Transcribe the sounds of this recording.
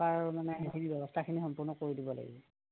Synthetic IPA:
aɹmanɛɦikʰinibɛbɔstʰakʰinixɔmpʊɹnɔkoɹidibɔla̰ɡḭɔ

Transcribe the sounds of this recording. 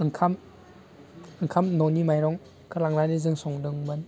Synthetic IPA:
ɯŋkʰam | ɯŋkʰamnɔnimajɾɔŋ | kɯlaŋlanizɯŋsɔŋdɯŋmɯn

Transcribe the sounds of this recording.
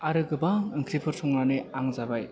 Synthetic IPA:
aɾɯɡɯbaŋɯŋkʰɾipʰɯɾtʰɔŋɾanɯaŋzabaj

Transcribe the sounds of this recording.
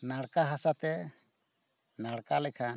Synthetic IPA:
naɽkaɦasat̪ɛ | naɽkalɛkʰan

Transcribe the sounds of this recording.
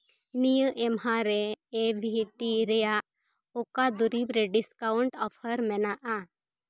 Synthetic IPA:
nijəʔɛmɦaɾɛːbʱiʈiɾɛjaʔ | okad̪uɾibɾeɖiskawʊɳʈɔpʰəɾmɛnaʔa

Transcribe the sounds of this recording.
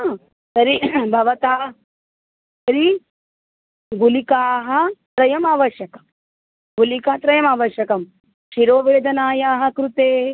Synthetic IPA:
a | sɐɾibʱɐʋɐt̪a | sɐɾi | ɡulikaːɦɐ̆t̪ɾɐjɐmaːʋɐʃjɐkɐ̥m | ɡulikɐt̪ɾɐjɐmaːʋɐʃjɐkɐm | ʃiɾoːʋeːd̪ʱɐnaːjaːɦɐ̆kɾut̪eː

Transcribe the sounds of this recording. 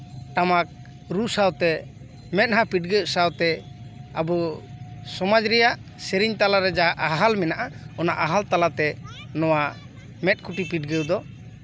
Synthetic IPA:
ʈamak̚ | ɾusawt̪ɛ | mɛt̪̚ɦapiʈ̚ɡɛwsawt̪ɛabɔ | sɔmad͡ʒɾɛjaʔ | sɛɾiɲt̪alaɾɛd͡ʒaɦaʔaɦalmɛnaʔaɔnaʔaɦalt̪alat̪ɛ | nɔwa | mɛt̪̚ˀkʰuʈipiʈ̚ɡɛwd̪ɔ

